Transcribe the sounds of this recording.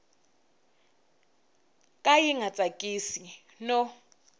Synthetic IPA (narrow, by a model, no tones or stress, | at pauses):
kʼajiŋat͡sʼakʼisi | nɔ